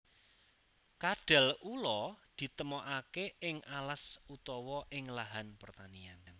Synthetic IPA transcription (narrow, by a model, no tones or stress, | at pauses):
kaɖ̥a̤lulɔd̪̥i̤t̪əmɔʔakeɪŋʔalasut̪ɔwɔʔɪŋlaɦanpərt̪aniann